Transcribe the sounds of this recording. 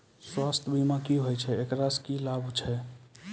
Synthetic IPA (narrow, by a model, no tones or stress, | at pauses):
swast̪ʰbʱimakiɦojt͡ʃʰɛekɾaskilabʱt͡ʃʰɛ